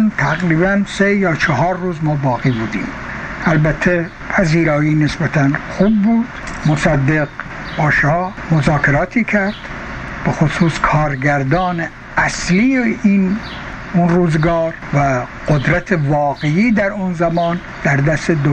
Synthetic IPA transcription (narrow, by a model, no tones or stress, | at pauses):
nt̪ʰæɣɾiːbænsejɒːt͡ʃʰɑɦɒːɾːuːzmɒːbɒːɣiːbuːd̪ḭːm | ʔælbæt̪ʰːe | pʰæziːɾɒːjiːnesbæt̪ʰænxuːbːuːd̪̥mosæd̪ːeɡbɒːʃɑːmozɑːkʰeɾɑːt̪ʰiːkʰæɾd̪̥ | b̥exosuːskʰɒːɾɡæɾd̪ɒːne | ʔæslijeiːn | unruːzeɡɑɒːɾ | væɡ̥od̪ɾæt̪ʰevɒːɣeiːd̪æɾunzæmɒːn | d̪̥æɾd̪æst̪ed̪o